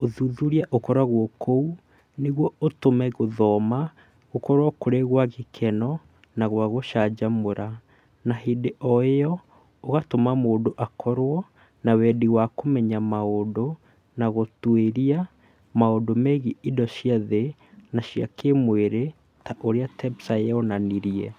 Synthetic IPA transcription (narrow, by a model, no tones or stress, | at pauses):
oðuðuɾiaʔokɔɾaɣwɔkʰou | neɣwɔotomɛɣoðɔma | ɣokɔɾwakoɾeɣwaɣekʰɛnɔ | naɣwaɣoʃad͡ʒamoɾa | naɦideʔɔejɔ | oɣatomamoːdoʔakʰɔɾwɔ | nawɛdiwakomɛɲamaodo | naɣotweɾia | maodomɛɣiidɔʃiaðe | naɕia̰kemweɾe | taʔoɾeatɛbsaeonaniɾiɛ